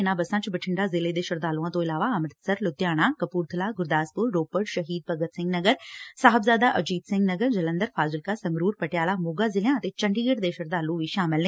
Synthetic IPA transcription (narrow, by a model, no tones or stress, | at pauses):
ɪnãːbɐsãːt͡ʃbəʈʰɪɳɖaːzɪled̪eːʃʊɾd̪aːlũãːt̪õɪlaːʋaɐmɾt̪səɾlʊt̪jaːɽ̃aːkɐpuːɾt̪ʰəlaːɡʊɾd̪aːspʊɾːoːpəɖʃɐɦiːd̪̚pɐɡət̪sɪ̃ŋɡnɐɡəɾsaːɦɪbzaːd̪aːʔɐd͡ʒiːd̪sɪ̃ŋɡnɐɡəɾd͡ʒɐlə̃nd̪əɾfʰaːd͡ʒɪlkasɐ̃ŋɡɾuːɾpɐʈjaːlamoːɡaːzɪljãət̪eːt͡ʃɐ̃ɳɖiːɡəʈd̪eːʃəɾd̪aːlũʋiːʃaːmɪlnẽ